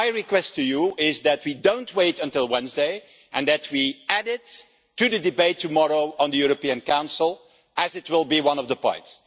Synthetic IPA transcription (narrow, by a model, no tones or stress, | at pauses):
aɪɹikwɛstʰɨjuɪzðɨt̚widõʊ̃nt̚ʰweɪtə̃ntɪlˠwɛ̃nzdeɪ | ʔɨ̃nðɨt̚ʰwiæɾɪtː | ɨðɨdɨbeɪtʰːɨmɔɹoʊə̃ndðəjuɹəpiɨ̃nkãʊ̃nsl̩ˠ | ʔɨzɨt̚wɪlˠbiwʌ̃nʌvðəpɔ̰̃ɪ̃nts